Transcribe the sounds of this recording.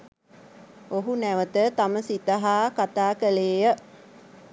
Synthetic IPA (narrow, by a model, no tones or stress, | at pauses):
oɦunæʋət̪ət̪aməsit̪əɦaːkat̪aːkəleːjə